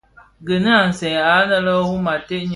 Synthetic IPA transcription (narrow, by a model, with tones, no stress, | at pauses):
ɡə˨nɨ˦a˨n̩˨sɛ˨a˨˦nə˦lə˦wu˦ma˨te˦ʔɲ˨